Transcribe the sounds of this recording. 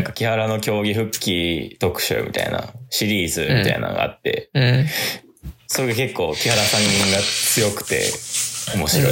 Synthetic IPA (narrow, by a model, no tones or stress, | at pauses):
aŋkakʲihaɾano̞kʲo̞ːɡʲiɸɯ̟kʲːit̪o̞kɯ̟̥ɕɨ̰ːmʲḭt̪a̰ḭna̰ɕiɾʲiːzɨmʲit̪aḭnã̰ŋɡa̰a̰t̪ːe̞̰ | so̞ɾe̞ɡake̞kːo̞ːkʲihaɾasãɲːĩŋɡat͡sɨjo̞kɯ̟̥t̪e̞̰o̞mo̞ɕiɾo̞̰i